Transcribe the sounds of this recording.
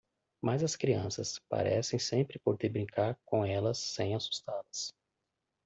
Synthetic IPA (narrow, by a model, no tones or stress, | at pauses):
mazɐskɾiɐ̃sɐspa̰ɾʔɛ̰sẽj̃sẽmpɾɪpoɾt̪ɪbɾĩŋkaɾkõɛlɐsːẽj̃asu̥st̪alɐs